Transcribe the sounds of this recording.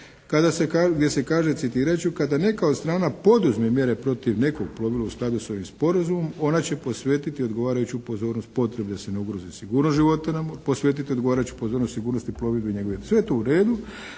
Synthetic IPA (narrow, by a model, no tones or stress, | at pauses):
kad̪asekaɡd̪je̞se̞kaːʒe̞t̪sit̪iːɾat͡ɕukad̪ane̞kaod̪st̪ɾaːnapo̞d̪uzmemje̞ɾe̞pɾo̞t̪iʋne̞koɡ̚plˠo̞ʋilˠausklˠad̪uso̞ʋimspo̞ɾazumo̞mo̞nat͡ɕe̞po̞sʋeːt̪it̪io̞d̪ɡo̞ʋaːɾajut͡ɕupo̞zo̞ːɾnost̪̚po̞t̪ɾe̞bed̪ase̞neuɡɾozisiɡuːɾnot̪ʒiʋo̞t̪anaposʋe̞ːt̪it̪iod̪ɡoaːɾajut͡ɕu̥po̞zoːɾnost̪siɡuːɾnost̪iplˠo̞ʋid̪beiɲeɡoʋesʋe̞t̪ouɾe̞ːd̪u